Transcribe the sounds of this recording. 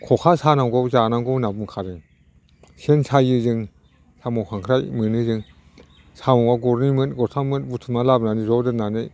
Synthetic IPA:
kʰɔkʰasanawɡɔwzanaŋɡɔwnabɯŋkʰaɾɯŋ | sensʰajɯzɯŋ | samɔkʰaŋkʰɾajmɯnɯzɯŋ | samɔaɡɔɾnimɯnɡɔɾtʰamɯnbutʰɯmalabnanizɔdɯnanɯj

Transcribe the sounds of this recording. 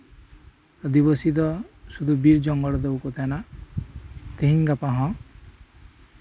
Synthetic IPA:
ɔd̪iβɔsit̪̬ɔsud̪ʱubiɾd͡ʒɔŋɡɔɽɔd̪ebukɔt̪ana | t̪eɦiŋɡapaɦɔ̃

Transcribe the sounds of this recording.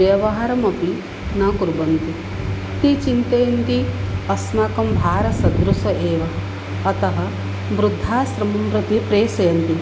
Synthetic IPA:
jɐʋɐɦɐɾɐmɐpi | naːkuɾbɐnt̪i | t̪it͡ʃint̪ɐjɐnt̪iɐsmaːkɐmbʱaːɾɐsɐd̪ɾusɐʔeːʋɐː | t̪ɐɦɐ̆ | ʋɾud̪ʱːaːsɾɐmɐmɾud̪ʱipɾeːsɐjɐnt̪i

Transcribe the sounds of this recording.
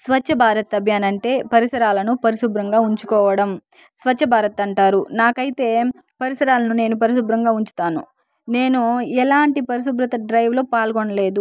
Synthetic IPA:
sʋɐt͡ʃːʃʰɐbʱaːɾɐt̪ɐbʱjaːnɐɳʈe̞ːpɐɾisɐɾaːlɐnupɐɾisubɾɐŋɡaːuɲt͡ʃukɔːʋɐɽɐm | sʋɐt͡ʃːʃʰɐbʱaːɾɐt̪ɐɳʈaːɾunaːkɐjit̪e̞ː | pɐɾisɐɾaːlɐnune̞ːnup̬ɐɾisubɾɐŋɡaːuɲt͡ʃu̥t̪aːnṵ | ne̞ːnuɛlaːɳʈipɐɾis̬ubɾɐt̪ɐɖɾɐjʋlo̞ːpaːlɡoɳɐle̞ːd̪u

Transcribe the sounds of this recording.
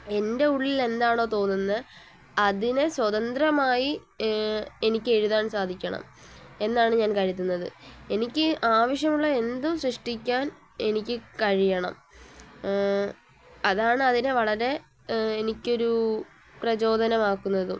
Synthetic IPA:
e̞nde̞uɭːile̞nd̪aːɳo̞ːt̪o̞ːnːunːɐ | ɐðinɨswɐðɐnd̪rɐmaːji | e̞nikʲːe̞ɻuðaːɳsaːd̪ʱikʲːɐɳɐ̰m | e̞nːaːɳɨɲaːnkɐɻit̪ːunːɐðɨ̰e̞nikʲːɨʔaːʋɐʂjɐmuɭːɐe̞nd̪umsrɨʂʈikʲːaːn | e̞nikʲːɨkɐɻijɐɳɐ̰m | ɐðaːɳɨɐðinɨʋɐɭɐɾe̞ | enikʲːo̞ɾu | prɐt͡ɕo̞ːd̪ʱɐnɐmaːkːunːɐðṵ

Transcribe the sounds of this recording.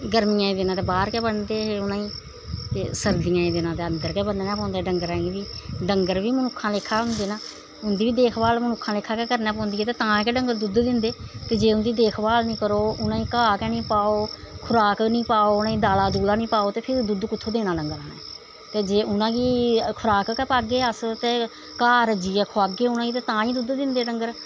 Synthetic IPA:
ɡəɾmiːjãːĩːd̪ɪnãːt̪eːbaːɾkɛːbənd̪eːɦʊnãːĩː | t̪eːsəɾd̪ijãːĩːd̪ɪnãːt̪eːənd̪əɾkɛːbənd̪eːnãːpɔ̃ːnd̪ɛːɖəŋɡəɾɛ̃ːɡiʋiːɖəŋɡəɾʋiːmənʊkʰːãːlekʰːaːʊnd̪eːnãː | ʊnd̪iːʋiːd̪eːkʰbaːlmənʊkʰːãːleːkʰaːkɛːkəɾnɛːpɔ̃ːnd̪iːɛːt̪eːt̪ãːkɛːɖəŋɡəɾd̪ʊd̪d̪ɪ̃nd̪eːt̪eːd͡ʒeːʊnd̪iːd̪eːkʰbaːlnĩːkəɾoːʊnãːiːkaːkɛːnĩːpaːoː | kʰʊɾaːknĩːpaːoːʊnãːĩːd̪aːlaːd̪uːlaːnĩːpaːoːt̪eːpʰɪɾd̪ʊd̪kʊt̪ʰːoːd̪eːnãːɖəŋɡəɾãːnɛ̰ː | t̪eːd͡ʒeːʊnãːɡiːkʰʊɾaːkəkɛːpaːɡeːəst̪eː | kaːɾəd͡ʒiːɛːkʰoaːɡeːʊnãːɡiːt̪eːt̪ãːĩːd̪ʊd̪d̪ɪnd̪eːɖəŋɡəɾ

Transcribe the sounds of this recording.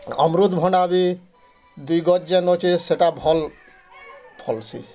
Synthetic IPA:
ɔ̰mɾud̪bʱɔnabi | d̪ujɡɔt̪̚d͡ʑenot͡ʃʰiseʈabʱɔl | pʰɔlsʰḭ

